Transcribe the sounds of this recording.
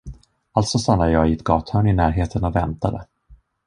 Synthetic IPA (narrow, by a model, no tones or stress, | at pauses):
alt̪sɔst̪anlad̪əjɑːɪɛt̪ɡɑːt̪hœːɳɪnæːɾɦeːt̪ʰənɔvɛnt̪ad̪ə̰